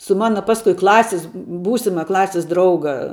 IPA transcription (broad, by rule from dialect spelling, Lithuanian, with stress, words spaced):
sʊ ˈmɑːnɐ ˈpɑːskʊɪ ˈklˠɑːsʲɪs ˈbuːsʲɪmɐ ˈklˠɑːsʲɪs ˈdrɐʊɡɐ